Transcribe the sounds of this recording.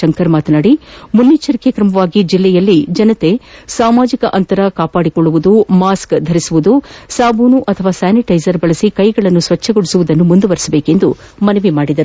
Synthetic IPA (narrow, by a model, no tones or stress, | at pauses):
ɐŋkɐɾmaːt̪ɐnaːɽimunːit͡ʃːɐɾikekɾɐmɐʋaːɡid͡ʒilːɛjɐlːid͡ʒɐnɐt̪e̞saːmaːd͡ʒikɐʔɐnt̪ɐɾɐkaːpaːɽikoɭːuʋud̪umaːskd̪ʱɐɾisuʋud̪usaːbuːnuʔɐt̪ʰɐʋaːsaːniʈɐjzɐɾbɐɭɐsikɐjɡɐɭɐnːusʋɐt͡ʃʰːɐɡoɽisuʋud̪ɐnːumund̪uʋɐɾisɐbe̞ːke̞nd̪umɐnɐʋimaːɽid̪ɐɾ